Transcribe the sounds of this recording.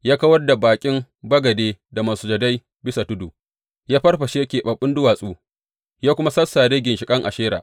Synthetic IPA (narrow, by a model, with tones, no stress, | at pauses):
jaː˦kɐ˦wɐ˦rda˨baː˨kʲʼɪ˦m | bɐ˦ɡɐ˨deː˦da˨maː˨su˦d͡ʒɐ˨da˦j | bɪ˦sa˨tʊ˦duː˨ | jaː˦ɸɐ˦rɸɐ˨ʃe˦jɐ˦kʲeː˨ɓɐ˨ɓːʊ˦ndʊ˦waː˨sʼuː˦ | jaː˦kʷʊ˦ma˦sɐ˦sːa˨ɽeː˦ɡʲɪ˨nʃɪ˨kʼɐ˦ŋʔa˨ʃeː˦ɾa̰ː˨ʔ